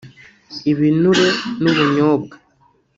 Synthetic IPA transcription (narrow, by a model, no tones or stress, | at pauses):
iβinuɾenuβuɲoːbɡa